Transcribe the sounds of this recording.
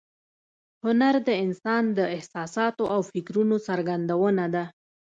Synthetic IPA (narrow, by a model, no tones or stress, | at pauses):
hʊnaɾd̪əɪnsɑnd̪əɪhsɑsɑt̪oʔawfɪkɾunosaɾɡand̪awənad̪a